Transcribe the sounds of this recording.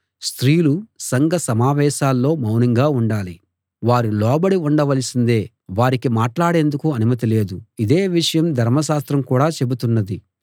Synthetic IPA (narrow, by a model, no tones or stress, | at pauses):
st̪ɾiːlusɐŋɡɐsɐmaːʋɛːʃaːlːo̞ːmɐwnɐŋɡaːuɳɖaːli | ʋaːɾilɔːbɐɽiuɳɖɐʋɐlisind̪e̞ː | ʋaːɾikimaːʈlaːɽe̞ːnd̪ukuɐnumɐt̪̬ile̞ːd̪uid̪e̞ːʋiʂɐjɐmd̪ʱɐɾmɐʃ̬aːst̪ɾɐmkuːɽaːt͡ʃe̞but̪unːɐd̪i